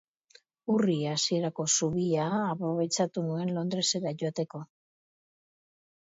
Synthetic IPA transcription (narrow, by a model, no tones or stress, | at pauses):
uriasie̞ɾako̞suβiaːpɾo̞β̞e̞t͡ʃat̪unue̞nlo̞nd̪ɾe̞se̞ɾaʝo̞at̪e̞ko̞